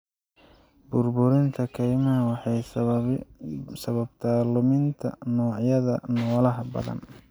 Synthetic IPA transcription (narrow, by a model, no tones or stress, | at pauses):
bʊrbʊɾɪnt̪ʰɐkʰɛjmɐɐwɑħɑj | sɐβɐbt̪ʰaːlʊmɪnt̪ʰɐ̰nɔːʕjɐðɐnɔːlɐɦɐbɐ̰ðɐ̰n